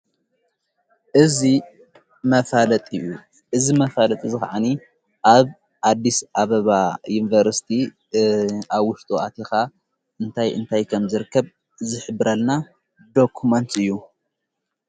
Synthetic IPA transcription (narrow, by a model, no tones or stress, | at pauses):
ʔɨzi | mɐfalɐt̪ʼɨ̰ju | ʔɨzimɐfalɐt̪ʼizɨxa̰ʕani | ʔaβ | ħad̪ːisʔaβɐβajunvɐɾsi̥t̪ʰi | ʔaβwʊʃt̪ʼuat̪ʰexa | ʔɨnt̪ʰajʔɨ̰nt̪ʰajkʰɐmzɨɾɨkʰːɐβ | zɨħɨbːɨɾɐlna | d̪o̞kʰumɐnt̪ɨjːu